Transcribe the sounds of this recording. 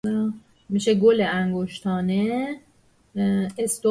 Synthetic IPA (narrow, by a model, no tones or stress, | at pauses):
miʃeɡoleæŋɡoʃt̪ʰɒːne | est̪o